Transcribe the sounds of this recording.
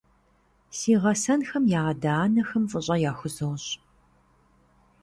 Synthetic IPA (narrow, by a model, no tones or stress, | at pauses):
siːʁɐsɐnxɐmjaːɐdaːnɐxɐmfʼəɕʼɐjaːxʷʊzɐwɕ